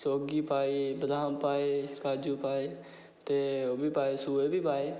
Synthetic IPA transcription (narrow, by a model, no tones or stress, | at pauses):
soːɡiːpaːibəd̪ʱaːmpaːeːkaːd͡ʒũːpaːeː | t̪eːoːbʱiːpaːeːsuːeːbʱiːpaːeː